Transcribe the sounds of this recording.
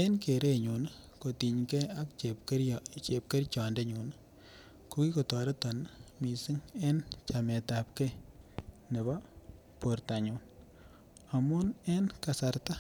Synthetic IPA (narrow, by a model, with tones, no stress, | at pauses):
e˦nke˨ɾeɲu˨n | ko˨ti˨ɲkɛa˦kpt͡ʃep̚ke˦rt͡ʃɔ˨nde˦ɲu˨n | ku˦ki˦ko˨tɔ˨ɾe˦tɔ˨nmi˨sɪ˦ŋe˦nt͡ʃame˨tap̚ke˦ | ne˨ba˦ | porta˨ɲu˨n | a˨mʊ˦nenka˨sa˨rta˦